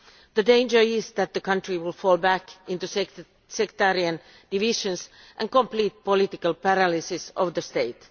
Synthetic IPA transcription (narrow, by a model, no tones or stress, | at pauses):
ðədẽɪ̃nd͡ʒə˞ɪsðæt̪̚ðəkʌ̃nt̪ɹiwɪlfɔːlˠbækʔɪ̃nt̪us | sɛkt̪æɾiə̃n | d̥iʋɪʃə̃ns | ʔæ̃nkõmpliːt̪̚polit̪ɪkəlpæɾalisisɔʋðəst̪eɪt̪